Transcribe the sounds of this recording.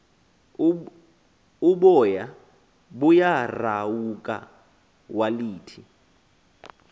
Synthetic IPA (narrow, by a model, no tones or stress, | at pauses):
uɓɔja | ɓujarawukʼa̰ | waliːtʰi